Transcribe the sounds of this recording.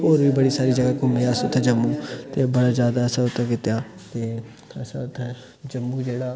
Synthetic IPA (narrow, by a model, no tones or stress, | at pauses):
oːɾʋiːbəɽiːsaːɾiːd͡ʒəɡaːkʊmẽaːsãt̪ʰːəd͡ʒəmːuːt̪eːbəɽaːzjaːd̪aːəsãːʊt̪ʰːẽkɪt̪ejaː | t̪eː | əsãːt̪ʰːe | d͡ʒəmːuːd͡ʒeːɽaː